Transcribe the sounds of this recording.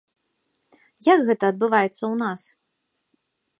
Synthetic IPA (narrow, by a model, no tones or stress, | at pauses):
jakɣɛt̪ɐːd̪̚bɨvajɛt̪sːɐwnas